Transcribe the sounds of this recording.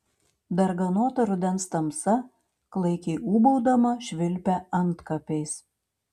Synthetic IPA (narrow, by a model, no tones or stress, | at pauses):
d̪ɐɾɡɐnoːt̪ɐɾʊd̪ʲɛnst̪ɐmsɐ | klˠɐɪkʲɛɪuːbɐʊd̪ɐmɐʃʲʋʲɪlʲpʲɛɐnt̪kɐpʲeɪs